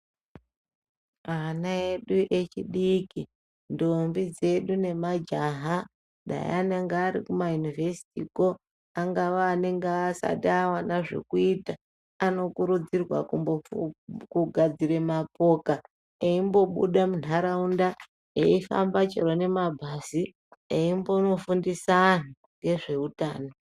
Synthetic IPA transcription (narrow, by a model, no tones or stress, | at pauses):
anae̞ɗuʔe̞t͡ʃiɗiki | ndombid͡ze̞ɗune̞mad͡ʒaɦa | ɗa̰j̰aneŋɡeːɾikumajunivesi̥tḭko | aŋɡaʋaːne̞ŋɡesa̰taːwanaʐe̞̰kuita | ano̞kuɾud͡zirwa̰kumbokuɡʱad͡ziɾe̞mapo̞ːka | eimbo̞ɓṵɗamunaɾaunda | eifa̰mbat͡ʃḛɾone̞mabʱasi | eimbono̞fundisan̤u | ŋɡe̞ʐe̞utaːno